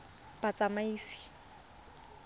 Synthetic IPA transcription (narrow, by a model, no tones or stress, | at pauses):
bat͡sʼamaiːsi̥